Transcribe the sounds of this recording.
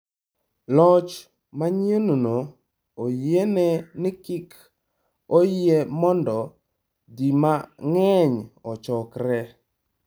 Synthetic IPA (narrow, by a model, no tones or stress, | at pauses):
lɔt͡ʃ | maɲenonoː | jenenɪkɪk | ɔjemɔndɔ | dimaŋɛɲɔt͡ʃɔkɾɛ